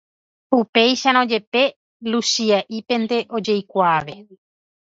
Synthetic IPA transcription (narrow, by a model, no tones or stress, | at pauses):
upe̞jʃanõd͡ʒe̞pe̞ | lusiaʔipẽ̞nd̪e̞ʔo̞d͡ʒe̞jkʷaːʋe̞